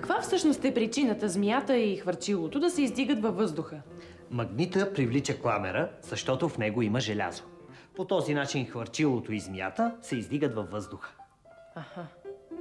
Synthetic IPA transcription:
kɐkvafsɤʃnost̪ɛpɾit͡ʃinət̪əzmjat̪əixvəɾt͡ʃilˠot̪od̪ɐsɛizd̪iɡət̪vɐfːɤzd̪ʊxə | mɐɡnit̪əpɾivlit͡ʃəklˠamɛɾəz̥ɐʃt̪ɔt̪ofnɛɡoiməʒɛlʲa̰zo̥ | pot̪ɔzinat͡ʃinxvɐɾt͡ʃilˠot̪oizmja̰t̪əsɛizd̪iɡət̪vɐvːɤzd̪ʊxə̥ | aha

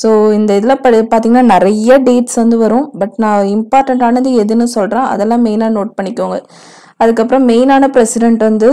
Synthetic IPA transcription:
soːɪnd̪ɐɪðɯlãːpɐpaːɾt̪iːŋɡɐnːaːnɪɾɐjːɐɖeːʈsʋɐnd̪ɯʋɐɾʊ̃bɐʈnãːɪmpaːɾʈɛɳʈaːnɐnd̪ɯɛðɯnːɯsɔlɾãːʔɐ̰ðɛlːãːmeːnaːnoːʈ̚pɐɳːɪkːoːŋɡɐ | ɐðɯkːɐpːɯɾɐ̃meːnaːnɐpɪɾɛsɪɖɛɳʈʋɐnd̪ɯ

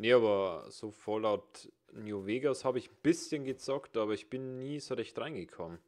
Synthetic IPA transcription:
neaːbɐz̥oːfɔlaʊt | njuveːɡashaːbəɪçn̩b̥ɪsçənɡət͡sɔktaːbɐɪçb̥ɪnːiːzoʁɛçtʁaɪnɡəkʰɔmən

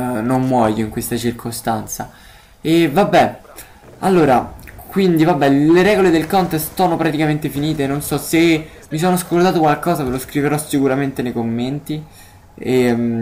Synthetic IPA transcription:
nomːwɔjoiŋkwest̪at͡ʃirkʰost̪ant̪sa | evabːɛ | alːoːɾakwind̪ivabːɛleɾɛːɡoled̪elkɔnt̪est̪sɔːnopɾat̪ikament̪efiniːt̪enonsɔse | mis̬oːnoaskolt̪aːt̪okwalkɔːzaveloskɾiveɾɔsikuɾament̪enejkomːent̪i | e

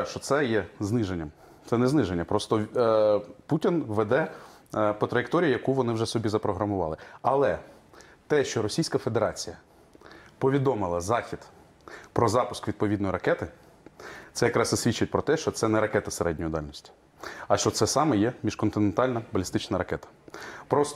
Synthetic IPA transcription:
ʃt͡ʃɔt̪sɛjɛznɪʒenʲːɐm | t̪sɛnɛznɪʒenʲːɐpɾɔst̪ɔ | putʲinʋɛd̪ɛ | pɔt̪ɾɐjekt̪ɔɾʲijʊjɐkuʋɔnɪwʒɛsɔbʲizɐpɾɔɦɾɐmʊʋɑ̰lˠɪɐlˠɛ | t̪ɛʃt͡ʃɔɾɔsʲijsʲkɐfed̪eɾɑt͡sʲijɐ | pɔʋʲid̪ɔmɪlˠɐzɑxʲid̪̥ | pɾɔzɑpʊskʋʲid̪̚pɔʋʲid̪nɔjiɾɐkɛt̪ɪ | t̪sɛjɐkɾɑsɐsʲʋʲit͡ʃːɪt̚ʲpɾɔt̪ɛʃt͡ʃɔt̪sɛnɛɾɐkɛt̪ɐseɾɛdʲnʲɔjʊd̪ɑlʲnɔsʲtʲi̥ | ɐʃt͡ʃɔt̪sɛsɑmɛjɛmʲiʃkɔnt̪ɪnent̪ɑlʲnɐbɐlʲist̪ɪt͡ʃnɐɾɐkɛt̪ɐ̥pɾɔst̪

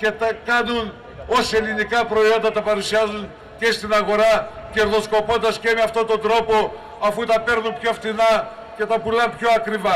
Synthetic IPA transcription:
ce̞t̪ɐkɐnun | o̞selinikɐpɾo̞io̞nd̪ɐt̪ɐpɐɾusiɐzun | cest̪inɐɣo̞ɾɐce̞ɾðo̞sko̞po̞nd̪ɐsce̞meɐft̪o̞t̪o̞nd̪ɾo̞po̞ | ɐfut̪ɐpe̞ɾnumpço̞ft̪inɐ | ce̞t̪ɐpulɐmpço̞ɐkɾivɐ

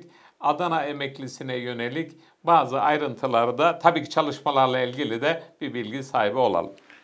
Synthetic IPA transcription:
ad̪anaemɛclʲisinɛjø̞ne̞lʲic | baːzɯʔajɾɯnt̪ʰɯlˠaɾɯd̪at̪ʰabiːcʰi̥t͡ʃʰalˠɯʃmalˠaɾlˠailʲɟilʲid̪ɛb̥ibilʲɟisaːɦibio̞lˠa̰lˠɯ

